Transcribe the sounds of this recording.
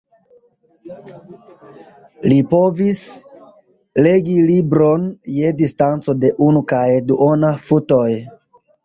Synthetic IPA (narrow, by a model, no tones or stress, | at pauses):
lipo̞vis | le̞ɡilibɾo̞nje̞distant͡so̞de̞ʔunukajduʔonafuto̞j